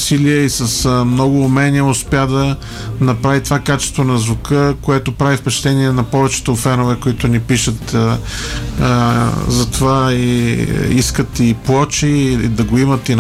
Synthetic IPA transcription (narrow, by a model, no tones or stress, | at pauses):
siliəisɐsmnɔɡʊːmɛniəʊspjad̪ɐ | nɐpɾavit̪ovakat͡ʃɛ̥st̪vonɐzvʊkəkoɛt̪opɾavifpɛt͡ʃt̪ɛniɛnɐpɔvɛt͡ʃɛ̥t̪ofɛnovɛkoit̪ʊnipiʃət̪ | zɐt̪ovaiiskət̪iplˠɔt͡ʃid̪ɐɡoimɐt̪in